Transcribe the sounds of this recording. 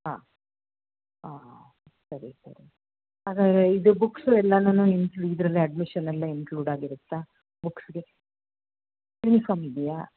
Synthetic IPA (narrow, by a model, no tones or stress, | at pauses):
ɦa̰ː | ɦaː | i | t̪ɐɾet̪ɐ̰ɾe | haːɡaːd̪ɾeid̪ubuksuɛlːɐnanuinkluid̪ɾɐlːiɐɖmiʃɐnɐlːɐinkluːɖaːɡiɾut̪ːa | buksɡe̞ | nifɐmilija